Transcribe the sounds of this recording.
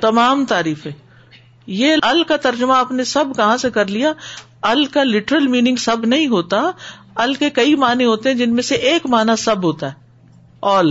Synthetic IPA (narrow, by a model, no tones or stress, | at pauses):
t̪ɐmaːmt̪aːɾiːfɦɛ̃ː | jeɐlkat̪ɐɾd͡ʒmaɐpnesɐbkɐɦãsekɐɾlija | ɐlkalɪʈəɾəlmiːnɪ̃ŋɡsɐbnɐɦĩɦoːt̪a | ɐlkekɐimaːnẽɦoːt̪eɦɛ̃d͡ʒɪnmẽseʔeːkmaːnasɐbʱɦoːt̪aɦɛː | ɔːl